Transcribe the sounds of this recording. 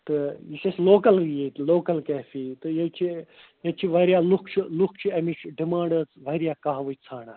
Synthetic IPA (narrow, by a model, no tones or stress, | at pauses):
t̪ɨjisɐsloːkɐljet̪loːkɐlkɛːfʰiːt̪ɨjɐt͡ʃʰi | jɐt͡ʃʰiʋɐɾjaːlukʰt͡ʃʰilukʰt͡ʃʰiɐmit͡ʃʰɖimãːɖɐt͡sʋɐɾijaːkaɦʋɨt͡sʰaːɳaː